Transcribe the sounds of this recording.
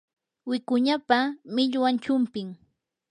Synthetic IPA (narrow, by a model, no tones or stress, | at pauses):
wɪkʊɲapamɪʎwant͡ʃʊmpɪŋ